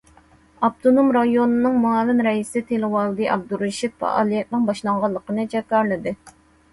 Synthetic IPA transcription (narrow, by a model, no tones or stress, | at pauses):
ɑpt̪ʰonomɾɑjonɨnɨŋmuɑːvɪmɾɛisɪt̪ʰelɨwɑlˠd̪ɨʔɑ̰b̚d̪uɾeʃipfɑ̰ʔɑ̰ːlˠijɛt̪̚nɨŋbɑʃlˠɑɴʁɑlˠːəqənɨd͡ʒɛkːɑɾlˠɨd̪ɨ